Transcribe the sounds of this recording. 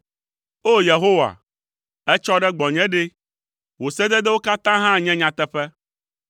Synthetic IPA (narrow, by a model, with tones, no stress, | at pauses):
o˦je˨ɦo˦wa̰˨ | ɛ˦t͡ʃɔ˦ɖɛ˦ɡ͡bɔ˨ɲɛ̃˦ɖe˦ | wo˨sɛ˦d̪ɛ˦d̪ɛ˦wo˦ka˦t̪ã˦ɦã˦ɲɛ̃˦ɲã˨t̪ɛ˦ɸɛ˦